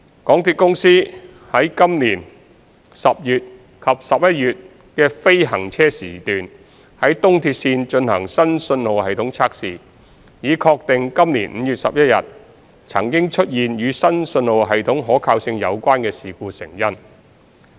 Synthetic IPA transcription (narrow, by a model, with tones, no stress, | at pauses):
kɔː˨˥ŋt̪ʰiː˧t̚kʊ˥ŋsiː˥ | hɐ˨˥jkɐ˥mniː˨˩n | sɐ˨p̚jyː˨t̚ | kʰɐ˨p̚sɐ˨p̚jɐ˥t̚jyː˨t̚ | kɛː˧fe˥jɦɐ˨˩ŋt͡sʰɛː˥siː˨˩t̪yː˨n | hɐ˨˥jt̪ʊ˥ŋt̪ʰiː˧t̚siː˧nt͡ʃɵ˧nhɐ̰˨˩ŋsɐ˥nsɵ˧nlo˨whɐ˨jt̪ʰʊ˨˥ŋt͡sʰaː˧k̚siː˨ | jiː˨˧kʰɔː˧k̚t̪ɪ˨ŋkɐ˥mniː˨˩nm̩˨˧jyː˨t̚sɐ̰˨p̚jɐ˥t̚jɐ̰˨t̚ | t͡sʰɐ̰˨˩ŋkɪ˥ŋt͡ʃʰɵ˥t̚jiː˨njyː˨˧sɐ˥nsɵ˧nlo˨wɦɐ˨jt̪ʰʊ˨˥ŋɦɔː˨˥kʰaː˧wsɪ˧ŋjɐ˨˧wkʷaː˥nkɛː˧siː˨kuː˧sɪ˨˩ŋjɐ˥n